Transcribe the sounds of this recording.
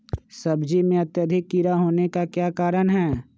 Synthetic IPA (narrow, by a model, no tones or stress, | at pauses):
sɐbd͡ʒimẽɐt̪jəd̪ʱɪkːiɾaɦoːnekakjaːkaːɾənɦɛː